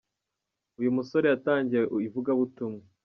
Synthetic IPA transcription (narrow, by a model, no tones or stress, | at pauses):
ujumuso̞ɾe̞jataːɲɟijeivuɡaβutumŋe